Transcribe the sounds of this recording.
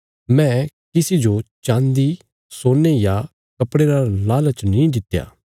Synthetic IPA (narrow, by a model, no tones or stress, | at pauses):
mɛ̃ | kɪsid͡ʒot͡ʃãːnd̪i | soːneja | kɐpɽeɾalaːlat͡ʃnĩd̪ɪt̪ːja̰ː